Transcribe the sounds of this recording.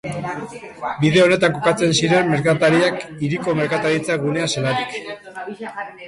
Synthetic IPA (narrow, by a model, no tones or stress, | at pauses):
biðeo̞ne̞t̪aŋko̞kat͡se̞nsiɾe̞mːe̞ɾkat̪aɾiakiɾiko̞me̞ɾkat̪aɾit͡saɡune̞aselaɾik